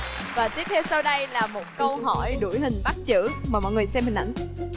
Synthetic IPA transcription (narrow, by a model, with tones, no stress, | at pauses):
vaː˨˩t̪i˦˥ət̚t̪ʰe˧wsə˧wɗə˧jlaː˨˩mo˨˩t̚kə˧wɦɔ˧˩jɗu˧˩jɦï˨˩ŋ̟ɓa˦˥t̚t͡ɕɨ̰˧˥maː˨˩mɔ̰˧˨jŋ˨˩əjsɛ˧mhï˨˩ŋ̟ʔa̰˧˩jŋ̟